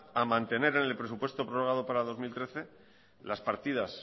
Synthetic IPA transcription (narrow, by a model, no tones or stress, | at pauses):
amãnt̪e̞ne̞ɾe̞ne̞lpɾe̞supwe̞st̪o̞pɾoroɣ̞aðo̞paɾað̞o̞zmilt̪ɾe̞θe̞ | laspaɾt̪ið̞as